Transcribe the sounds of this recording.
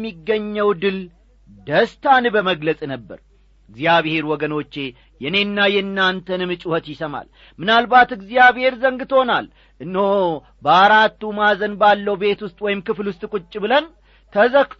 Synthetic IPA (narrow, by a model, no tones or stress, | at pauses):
mːiɡːəɲːəwd̪ɨl | d̪əst̪ʰanbəməɡləsʼnəbːə̰ɾ | ɨɡzijaβhe̞ɾwɔɡəno̞t͡ʃːe̞ | jɛne̞nːajɛɨnːant̪ʰənɨmɨt͡ʃʼuhət̪jɪsəma̰l | mɨnalbat̪ɨɡzijaβhe̞ɾzəŋɡɨt̪ʰhonal | ʔɨnːho | bəaɾat̪ːumazənbalːəhwbe̞t̪wʊst̪ʼwɔjɪmkɨflwʊst̪ʼkʷʼʊt͡ʃʼːbɨlən | t̪ʰəzək